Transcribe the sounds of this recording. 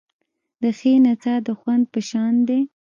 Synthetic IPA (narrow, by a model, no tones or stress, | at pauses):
d̪̥əxenat͡sad̪əxwand̪̚pəʃɑnd̪e